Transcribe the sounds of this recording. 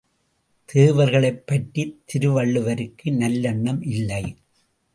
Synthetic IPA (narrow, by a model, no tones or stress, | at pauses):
t̪ʰeːʋɐɾɣɐɭɐɪpːɐʈːit̪ʰːɪɾɯʋɐɭːɯʋɐɾɯkːɯnɐlːɐɳːɐmʔɪlːɐɪ